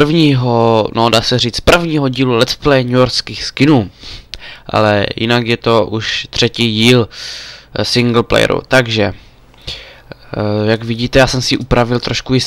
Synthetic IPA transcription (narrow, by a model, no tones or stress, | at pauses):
rvɲiːɦonodaːsɛriːt͡spr̩vɲiːɦo̞ɟiːlulɛt̪splɛjɲujoɾskiːxskɪnuː | ʔa̰lɛ̰jɪ̰nakjɛt̪o̞ʔuʃt̪r̝̥ɛciːɟiːl | sɪŋɡl̩plɛ̰j̰ɾṵt̪aɡʒɛ | jaɡvɪɟiːt̪ɛjaːsɛmsɪʔupɾavɪlt̪ɾoʃkujɪ